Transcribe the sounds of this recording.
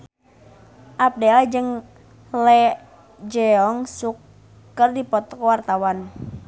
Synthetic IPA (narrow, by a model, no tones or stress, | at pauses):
ʔap̚dɛad͡ʒɨŋ | lɛ | d͡ʒɛɔŋsukː | ərdipɔt̪ɔ̥kwart̪awan